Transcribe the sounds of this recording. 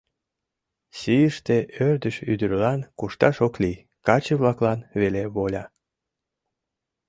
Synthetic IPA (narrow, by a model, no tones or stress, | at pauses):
sijəʃt̪eʔørd̪əʃyd̪əɾlɑnkuʃt̪ɑʃokli | kɑt͡ɕeβlɑklɑnβeleβolʲɑ